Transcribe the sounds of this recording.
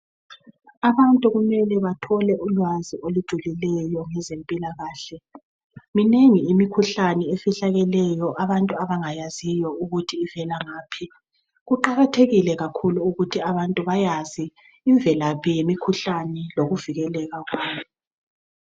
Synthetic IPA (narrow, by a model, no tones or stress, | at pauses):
aβantʼuɣumɛlɛβatʰɔlɛʔulwaziolud̥ʒ̥ʱulilɛjɔŋɛzempʼilaɣaːɬɛ | mineŋiimikʰuɬanɛefiɬaɣɛlɛjɔʔaβantʼuaβaŋajazijɔuɣutʰiːvɛlaŋaːpʰi | ɣuǃaɣatʰeɣilɛɣakʰuluuɣutʰiaβantʼuβajaziː | ɱvʱɛlapʰɛjimikʰuɬanɛloɣuviɣɛlɛɣaɣwaːβɔ